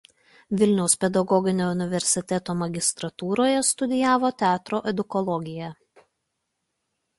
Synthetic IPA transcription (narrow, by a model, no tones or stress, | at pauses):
ʋʲɪlʲnʲɛʊspʲɛd̪ɐɡɔɡʲɪnʲoːʊnʲɪʋʲɛɾʲsʲɪt̪ʲɛt̪oːmɐɡʲɪst̪ɾɐt̪uːɾoːjɛst̪ʊd̪ʲɪjæːʋoːt̪ʲæːt̪ɾoːʔɛd̪ʊkɔlˠɔɡʲɪjæ